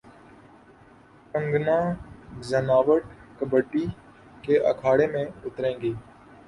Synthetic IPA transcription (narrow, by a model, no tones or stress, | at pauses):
kə̃ŋɡnãːzənaːʋəʈkəbəʈːiː | keːʔə̰kʰaːɽeːmẽːʊt̪ɾẽːŋɡeː